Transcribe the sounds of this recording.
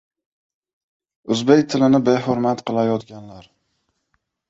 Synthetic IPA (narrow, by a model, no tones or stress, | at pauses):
ʊzbekʲt̪ʰɪlɪnɪbeɦoɾmat̪qʰɨlˠajɒt̪ɡʲanlaɾ